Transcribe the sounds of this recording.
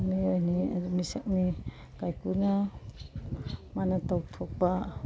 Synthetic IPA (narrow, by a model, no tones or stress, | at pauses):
niojniadumisak̚ni | kajkuna | manatawtʰɔk̚ba